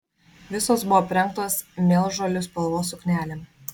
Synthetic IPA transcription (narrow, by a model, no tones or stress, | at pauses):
ʋʲɪsoːsbʊʋɔːpʲɾʲɛŋˑkt̪oːsmʲeːlˠʒoːlʲʊspɐlˠʋoːsʊknʲæːlʲem